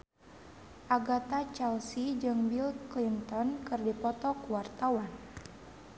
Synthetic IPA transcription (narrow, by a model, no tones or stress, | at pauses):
ʔaɡat̪at͡ʃɛlsid͡ʒɨŋbilklint̪ɔnkɨrdipɔt̪ɔkuwart̪awan